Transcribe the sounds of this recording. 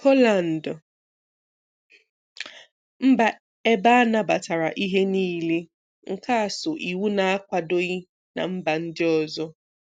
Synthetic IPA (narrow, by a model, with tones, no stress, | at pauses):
ho˦la˨n̩˨d | m̩˦ba˨ | e˦ba˦a˦na˦ba˨ta˨ɾa˨ʔi˦ɦe˦niː˦le˦ | ŋ̩˨ka˦a˨sʊ˨ʔi˨wu˦na˨a˦kʷa˨do˦ɣi˦ | na̰˨m̩˦ba˨n̩˦dɪ˦ɔ˨zɔ˦